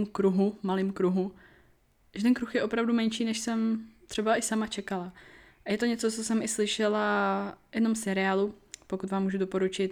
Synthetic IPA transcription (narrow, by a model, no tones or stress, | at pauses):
mkɾuɦumalɪːmkɾuɦu | ʒɛt̪ɛnkɾuxjɛo̞pɾavdumɛnʃiːnɛʃsɛmt̪r̥ɛbaʔɪsamat͡ʃɛkalaʔajɛt̪o̞ɲɛt͡sot͡sosɛmɪslɪʃɛlajɛdno̞msɛɾɪaːlupo̞kut̪vaːmːuːʒudo̞po̞ɾut͡ʃɪt̪